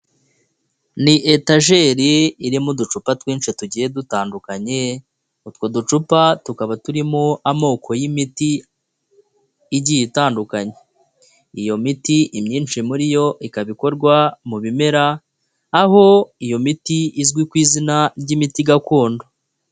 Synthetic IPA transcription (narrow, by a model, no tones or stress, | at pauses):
niʔetaʒeːɾiːɾimudut͡ʃupatwiːnʃituɟije̞dutaːndukaɲe | utwo̞dut͡ʃupatukaβatuɾimoʔamo̞ːkʰo̞jimiti | ɟijitaːndukaɲe | ijo̞mitiʔimɲiːnʃimuɾijo̞ʔikaβiko̞ɾɡwamuβime̞ɾaː | ɦo̞ijo̞mitiʔizɡwikwiːzinaɾɟimitiɡakoːndo̞